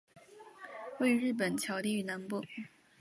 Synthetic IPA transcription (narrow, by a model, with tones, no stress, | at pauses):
we˥˩ɪy˧˥ɻɻ̩˥˩p̬ə˨˩nt͡ɕʰjɑ˧˥ʊt̪i˥˧y˥˩na˧˥npu˥˩